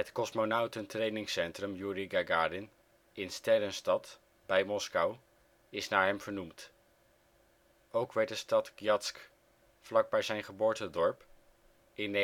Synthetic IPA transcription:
ɦətkɔsmonawtəntrejnɪŋsɛntrəmjuɾiɡaɡaːdɪn | ɪnstɛɾənstɑt | b̥ɛjmɔskɑw | ɪsnaːɹɦɛmv̥əɹnumt | owkʋɛɹt̚dəstɑtɡjɑtsk | flɑɡ̚bɛjzɛjnχəbʊːɹtədɔɹp | ɪn

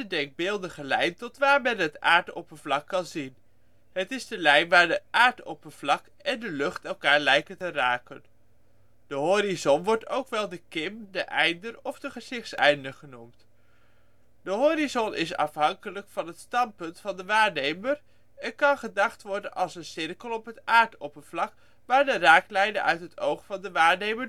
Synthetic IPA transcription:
ədɛŋɡ̚bɪːlˠdəχəlɛjntɔtʋaːɹmɛnɦəta̰ːɹtɔ̰pənvlɑkːɑnzin | ɦətɪzdəlɛjnʋaːɹdəʔaːɹtɔ̰pənvlɑk | ɛndəlɵχtɛlˠkaːɹlɛjkəntəraːkən | d̥əɦoːɾizɔnʋɔɹto̰wkʋɛlˠdəkɪmdəʔɛjndərɔfdəχəzɪχtsɛ̰jndəɹχənumt | d̥əɦoːrizɔnʔɪ̰sɑ̰fɦɑŋkələkfɑnɦətstɑnpɵntfɑndəʋaːɹnejməɹ | ɛnkɑnχədɑχtʋɔɹdənʔɑlˠsənsɪrkəlˠɔpɦətʔaːɹtopəvlɑk | ʋaːɹdəraːklɛjnə̰nʔœ̰ɥtɦətʰowχfɑndəʋaːɹnejmə

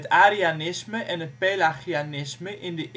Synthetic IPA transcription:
taːɾianɪsməʔɛnət̚peːlaxianɪsməʔʔɪndəʔ

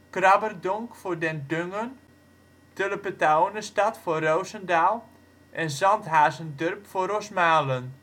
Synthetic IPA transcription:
krɑbərdɔŋkfordɛndøŋən | tøləpətawnəstɑtforowzəndaːlˠ | ʔɛnzɑntɦaːzəndørpforosmaːlən

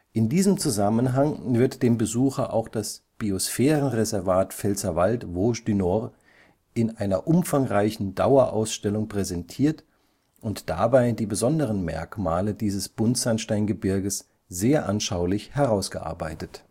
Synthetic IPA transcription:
ʔɪndiːzəmt͡suzamənɦaŋvɪɐtd̥eːmbəzuːxɐʔa̰ʊxd̥asb̥iosfɛːʁənʁezɛɐvaːtfɛlt͡sɐvaltvoːʃdynɔʁ | ɪnʔaɪnɐʔʊmfaŋʁaɪçn̩da̰ʊɐʔa̰ʊsʃtɛlʊŋpʁ̥ɛzɛntʰiːɐt | ʔʊntd̥a̰baɪdiːbəzɔndəʁ̞ənmɛ̰ɐkmaːlədiːzəsb̥ʊntz̥anʃtaɪnɡəbɪɐɡəs | z̥eːɐʔanʃaʊlɪçhɛʁaʊsɡ̥əʔa̰ɐbaɪtət

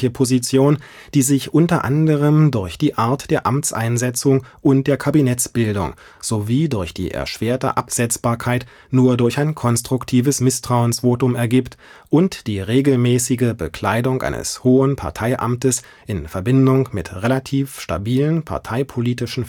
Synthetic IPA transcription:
əpʰozit͡sjoːn | d̥iːzɪçʔʊntɐʔandəʁəmdʊɐçd̥iːʔaɐtd̥eːɐʔamt͡sʔa̰ɪnzɛt͡sʊŋʔʊnt̚d̥eːɐkʰabinɛt͡sb̥ɪldʊ̰ŋ | z̥oviːdʊɐçd̥ḭːʔɛ̰ɐʃv̥eːɐtə̰ʔapz̥ɛt͡sb̥aːɐkʰaɪt | nuːɐdʊɐçaɪnkʰɔnstʁ̥ʊktʰiːvəsmɪstʁ̥aʊənsv̥oːtʊmɛɐɡiːptʔʊntd̥iːʁeːɡl̩mɛːsɪɡəbəkʰl̥aɪdʊŋʔa̰ɪnə̰shoːənpʰa̰ɐtʰaɪʔa̰mtəs | ʔɪnfɛɐbɪndʊŋmɪtʁelatʰiːfʃta̰biːlənpʰa̰ɐtʰaɪpʰoliːtɪʃn̩

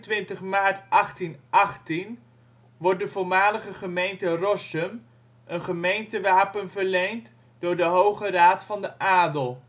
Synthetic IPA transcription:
tʋɪntəχmaːɹtʔɑχtinʔɑχtin | ʋɔɹt̚dəvʊɹmaːləχəχəmejntərɔsəm | ʔənχəmejntəʋaːpənvəɹlejnt | dʊːɹdəɦowχəraːtfɑndəʔaːdəlˠ

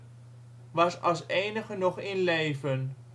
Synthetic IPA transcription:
ʋɑsɑlˠsejnəχənɔχɪnlejvən

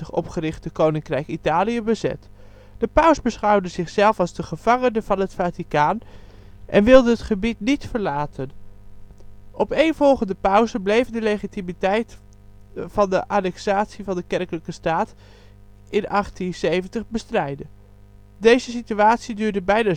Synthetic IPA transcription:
əχɔ̰pχərɪχtəkownɪŋkrɛjkitaːliəbəzɛ̰t | d̥əpœɥsbəsχʌwdəzɪχsɛlˠfɑlˠzdəχəv̥ɑŋənəvɑnɦətfaːtikaːn | ʔɛ̰nʋɪlˠdəɦətχəbitnitfəɹlaːtʰən | ʔɔpejnv̥ɔlˠχəndəpœwzəblejvdəlejχitimitɛjt | v̥ɑndəʔaːnɛksaːtsivɑndəkɛrkələkəstaːt | ʔɪnʔɑχtinsejvəntəχbəstrɛjdə | dejzəsityaːtsidyːɹdəbɛjna

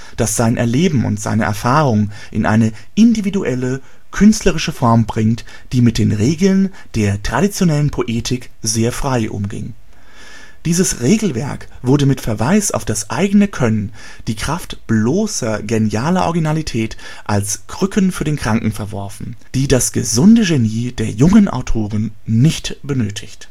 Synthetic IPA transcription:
d̥asz̥aɪnʔɛ̰ɐleːbm̩ʊ̰ntz̥a̰ɪnəʔɛ̰ɐfaːʁʊŋ | ʔɪ̰nʔa̰ɪnə | ʔɪndividuʔɛlə | kʰʏnstləʁɪʃəfɔɐmbʁɪŋt | d̥iːmɪt̚d̥eːnʁeːɡl̩n | d̥eːɐtʁ̥aɾit͡sjonɛlənpʰoʔeːtʰɪk | zeːɐfʁ̥aɪʔʊ̰mɡɪ̰ŋ | d̥iːzəsʁeːɡl̩vɛ̰ɐk | v̥ʊɐdəmɪtfɛɐvaɪsa̰ʊfd̥asʔa̰ɪɡənəkʰœnən | d̥iːkʁ̥aftb̥loːsɐɡenjaːlɐʔɔ̰ɐɡinalitʰɛːt | ʔalsɡ̥ʁ̥ʏkənfyːɐdeːnkʁ̥aŋkŋ̩fɛɐvɔɐfn̩ | d̥iːdasɡ̥ə̰zʊndəʒeniːd̥eːɐjʊŋənʔa̰ʊtʰoːʁənː | ɪçtb̥ənøːtʰɪçt

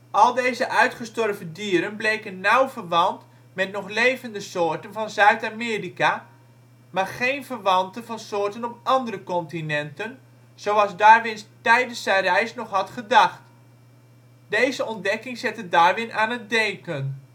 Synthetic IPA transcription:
ɔlˠdejzəʔœɥtχəstɔrvəndiəɾənblejkənːawvərʋɑnt | mɛtnɔχlejvəndəsoːrtənvɑnzœɥtamɪːrika | maːrχejnvərʋɑntənvɑnsoːrtənɔp̚ʔɑndərəkɔntinɛntən | z̥owɑsdaːrʋɪnstɛjdəsɛrɛjsnɔχɦɑtχədɑχt | dejzəɔndɛkɪŋsɛtədaːrʋɪnaːnət̚dɛŋkən

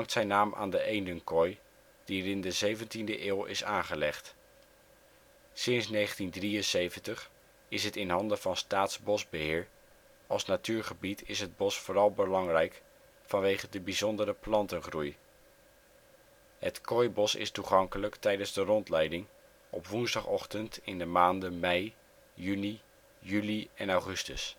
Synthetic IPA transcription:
ɑŋktsɛjnaːmʔa̰ːndəʔejndənkɔj | d̥iərɪndəzejvəntindəʔɪːlˠɪ̰saːnχəlɛχt | sɪnsnejχəntindrijənsejvəntəχ | ɪsɦətɪnɦɑndəvɑnstaːtzbɔzbəɦɪːɹ | ɑlˠsnatyːɹχəbitʰɪsɦəd̚bɔsfʊːrɑlˠbəlɑŋrɛjk | fɑnʋejχədəbizɔndəɾəplɑntənχruj | ɦətkɔjbɔsɪ̰stuχɑŋkələktɛjdənzdərɔntlɛjdɪŋ | ɔ̰pʋunzdɑχɔχtəntɪndəmaːndəmɛj | jyni | jyliɛnawχɵstəs

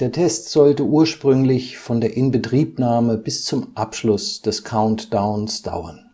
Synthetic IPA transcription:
d̥eːɐtʰɛstz̥ɔltəʔuːɐʃpʁ̥ʏŋlɪçfɔndeːɐʔɪnbətʁ̥iːpnaːməbɪst͡sʊmʔapʃlʊsd̥ɛskʰaʊntd̥aʊnsd̥a̰ʊɐn

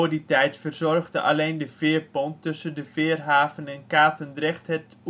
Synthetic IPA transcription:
oditɛjtfərzɔrχdə̰ʔa̰lejndəv̥ɪːrpɔntːɵsəndəvɪːrɦaːvənɛnkaːtəndrɛχthɛt

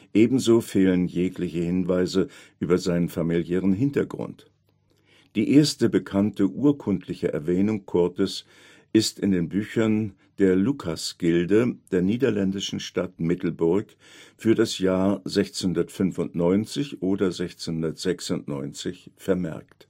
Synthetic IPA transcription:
ʔeːbm̩zoːfeːlənjeːklɪçəhɪnvaɪzəʔyːbɐzaɪnənfamiljɛːʁənɦɪntɐɡʁʊ̰nt | d̥iːʔeːɐstəbəkʰantəʔuːɐkʰʊntʰlɪçəʔɛ̰ɐvɛːnʊŋkʰɔɐtəs | ʔɪstɪndeːnbyːçɐn | d̥eːɐlukʰasɡ̥ɪldəd̥eːɐniːdɐlɛndɪʃn̩ʃtatmɪtl̩bʊɐk | fyːɐdasjaːɐzɛçt͡snhʊndɐtfʏnfʊntnɔʏnt͡sɪçʔoːdɐzɛçt͡senhʊndɐtz̥ɛksʊntnɔ̰ʏnt͡sɪçfɛɐmɛ̰ɐkt

